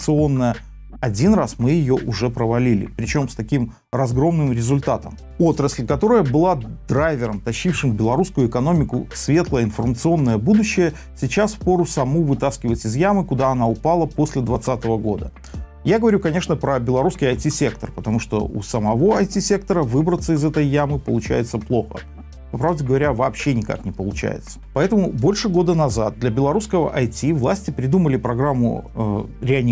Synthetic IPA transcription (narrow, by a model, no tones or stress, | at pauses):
t̪sɨo̞nːəjə | ɐdʲinrasmɨjɪjoʔʊʐɛpɾəvɐlʲilʲɪ̰pɾʲɪt͡ɕo̞mst̪ɐkʲim | rɐzɡɾo̞mnɨmɾʲɪzʊlʲt̪at̪əm | ot̪ɾəsʲlʲkɐt̪o̞ɾəjəbɨlˠad̪ɾajvʲɪɾəmt̪ɐɕːifʂɨmbʲɪlˠɐɾuskʊjʊɪkɐno̞mʲɪkʊ̰svʲe̞t̪lˠəɪnfərmət̪sɨo̞nːəjəbud̪ʊɕːɪjə | sʲɪt͡ɕaspo̞ɾʊsɐmuvɨt̪askʲɪvətʲɪzjamɨkʊd̪aɐnaʊpalˠəpo̞sʲlʲɪd̪vɐt̪sat̪əvəɡo̞d̪ə | jaɡəvɐɾʲukɐnʲe̞ʂnəpɾəbʲɪlˠɐɾuskʲɪjɐjtʲisʲe̞k̚t̪ərpət̪ɐmuʂt̪o̰ṵsəmɐvo̞ɐjtʲisʲe̞k̚t̪əɾəvɨbɾət̪səɪzɛt̪əjːamɨpəlˠʊt͡ɕæ̰jɪt̪səplˠo̞xə̰ | pɐpɾavdʲɪɡəvɐɾʲavɐːpɕːenʲɪka̰knʲɪpəlˠʊt͡ɕæ̰jɪ̰t̪sə̥pɐɛt̪əmʊbo̞lʲʂɨɡo̞d̪ənɐzat̪̚d̪lʲɐbʲɪlˠɐɾuskəvə̰ʔɐjtʲivlˠasʲtʲɪpɾʲɪd̪uməlʲɪpɾɐɡɾamːʊ̰ | ɾʲɪɐi